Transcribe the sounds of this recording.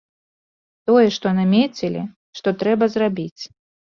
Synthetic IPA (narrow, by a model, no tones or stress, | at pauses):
t̪ɔjɛʂt̪ɔnamʲet͡sʲilʲḭ | ʂt̪ɔt̪ɾɛbɐzrabʲit͡sʲ